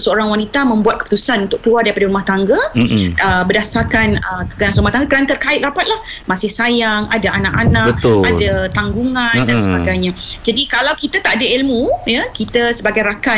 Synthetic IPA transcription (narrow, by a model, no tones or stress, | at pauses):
səoɾaŋwanit̪amə̃mbuat̪̚kəput̪usanunt̪ʊk̚t̪luardaɾipadaɾumaht̪aŋɡaəbədasakanəəɡanasəɾumaht̪aŋɡakəɾant̪ərkaɪt̪̚rapat̪̚lamãsɪhsajaŋadaanakanaək̪̚adat̪aŋɡuŋãndansəbaɡajɲãd͡ʒadikalawkit̪at̪aʔadailmujakit̪əsəbaɡajɾaka